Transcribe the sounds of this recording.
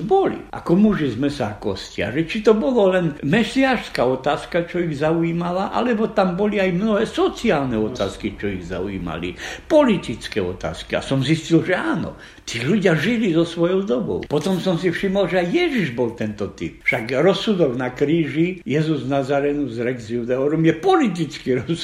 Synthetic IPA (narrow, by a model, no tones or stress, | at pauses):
bɔlḭʔa̰kɔmuʒizmɛsakɔscia̰ʒɛt͡ʃit̪ɔbɔlɔlɛnmɛsiaːʃskaɔt̪aːskat͡ʃɔiɣzauiːmalaʔa̰lɛbɔt̪ambɔliajmnɔɦɛːsɔt͡siaːlnɛɔt̪a̰ːskit͡ʃɔiɣza̰uḭːma̰lḭpɔlit̪it͡skɛɔt̪a̰ːskia̰sɔmziscilʒɛaːnɔ̰ | t̪iːluɟɪaʒilizɔsʋɔjɔʊd̪ɔbɔ̰ʊpɔt̪ɔmsɔmsifʃimɔlʒɛajjɛʒiʒbɔlt̪ɛnt̪ɔt̪ḭp̚fʃaɡɾɔsːud̪ɔɡnakɾiːʒijɛzuznazaɾɛnuzɾɛɡzjud̪ɛɔɾɔmjɛpɔlit̪̬it͡skiɾɔs